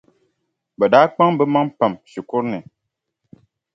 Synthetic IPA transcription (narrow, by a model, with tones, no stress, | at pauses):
bɛ˨daː˨˦k͡pa˦ŋbɛ˦ma˦ŋpa˨mʃi˨kʊ˦ɾnɨ˨